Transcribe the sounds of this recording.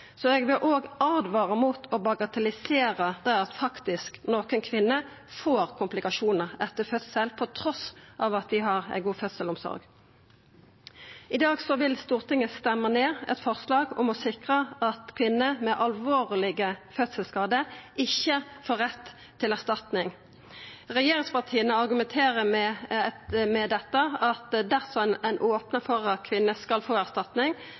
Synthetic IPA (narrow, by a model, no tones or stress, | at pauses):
sɔɛɡʋɪlʔoːɡɑʁd̪ʋɑːʁəmuːt̪ʰɔbɑɡɑt̪ɛlɪseːɾəd̪æɪɑt̪fɑkt̪ɪsknoːkənkʰʋɪnːə | foːʁkʰʊmplɪkɑʃuːnəʁɛt̪ːəfœt̪səlpʰɔt̪ʰɾɔsʔɑːʋɑt̪̚d̪ɪɦɑʁæ̰ɪɡuːfœt̪səlɔmsɔ̰ɾɡ | ɪd̪ɑːɡsɔʋɪlst̪uːʁt̪ʰɪŋːəst̪ɛmːəneːɾɛ̰t̪fɔʁslɑːɡɔ̰mɔsɪkʁəɑt̪kʰʋɪnːəmɛʔɑlʋoːʁlɪɡəfœt̪səlskɑːd̪əɪçːəfoːʁɛt̪ʰː | ɪlæʁst̪ɑt̪nɪŋ | ʁɛjeːʁɪŋspʰɑʁt̪ʰiːənəɑʁɡʉmɛnt̪ʰeːʁəmɛ | mɛd̪ɛt̪ːəɑt̪d̪æʁsɔnɛnʔoːpnəfɔʁɑt̪̚kʰʋɪnːəskɑlfoːæʁst̪ɑt̪nɪŋ